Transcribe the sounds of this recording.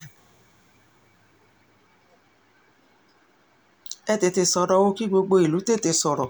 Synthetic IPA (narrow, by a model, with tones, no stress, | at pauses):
ɛ˦˨te˧te˧sɔ˧ɾɔ˧wo˦ki˦ɡ͡bo˧ɡ͡bo˧i˨lu˨˦te˦˨te˧sɔ˧ɾɔ˨